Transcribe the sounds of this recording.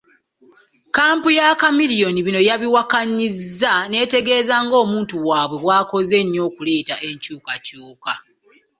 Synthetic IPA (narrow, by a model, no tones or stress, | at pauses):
kaːmpujakamilijo̞niβino̞jaβiwakaɲizːane̞ːte̞ɡe̞ːzaːŋɡo̞ːmuːntuwaːβwe̞βwaːko̞ze̞ɲːo̞ːkule̞ːtaʔe̞ɲcuːkacuːka